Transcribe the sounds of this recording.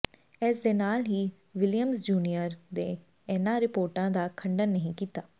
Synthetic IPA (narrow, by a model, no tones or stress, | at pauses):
ɛːsd̪eːnaːlɦiː | ʋɪljəmsd͡ʒuːnijəɾd̪eː | ɛnãːɾɪpoːɾʈãːd̪aːkʰəɳɖənːəɦĩːkiːt̪aː